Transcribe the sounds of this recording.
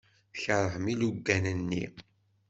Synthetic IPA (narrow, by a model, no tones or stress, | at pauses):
çəɾˤəhmiluɡːænənːḭ